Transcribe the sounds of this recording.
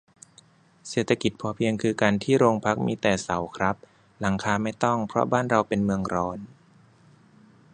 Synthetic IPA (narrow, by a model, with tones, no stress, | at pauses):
seː˨˩t̪ʰːa˧ki˨˩t̪̚pʰɔː˧˦pʰi˧əŋkʰɯː˧kaː˧nt̪ʰiː˥˩ɾoː˧ŋpʰa˦˥k̚miː˧t̪ɛː˨˩sa˩˦wkʰɾa˦˥p̚ | la˩˦ŋkʰaː˧ma˥˩jt̪ɔ˥˩ŋpʰɾɔ̰˦˥baː˥˩nɾa˧wpe˧nmɯ˧əŋɾɔː˧n